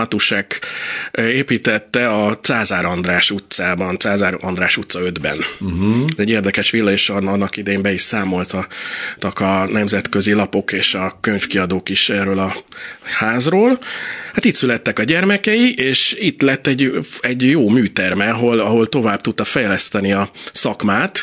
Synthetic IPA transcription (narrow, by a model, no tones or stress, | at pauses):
ɒt̪uʃak | eːpiːt̪ɛt̪ːɛɒt̪saːzaːɾɒnd̪raːʃut̪saːbɒnt̪saːzaːɾɒnd̪ɾaːʃut̪sɒø̞d̪bɛ̰nɛzɛɟeːrd̪ɛkɛʃʋilːɒeːʃɒnːɒkid̪ɛjembɛiʃsaːmo̞lt̪ɒt̪ɒkɒnɛmzɛt̪kø̞zilɒpo̞keːʃɒkøɲfkiɒd̪oːkiʃɛrːøːlɒhaːzroːlhat̪it̪sylɛt̪ːɛkɒɟɛrmɛkɛjiʔeːʃit̪lɛt̪ːɛɟɛɟjoːmyːt̪ɛrmɛɒɦo̞lɒɦo̞lt̪o̞vaːb̚t̪ut̪ːɒfɛjlɛst̪ɛniɒsɒkmaːt̪